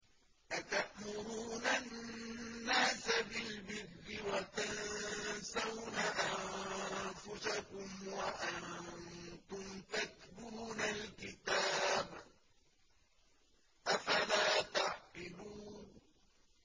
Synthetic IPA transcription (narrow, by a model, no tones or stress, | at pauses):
ʔat̪aʔmʊɾuːnanː | aːsabɪlbɪrːɪwat̪ansawnaʔam | fʊsakʊmwaʔan | t̪ʊmt̪at̪̚buːnalkɪt̪aːb | ʔafalaːt̪ɑʕqɪluːn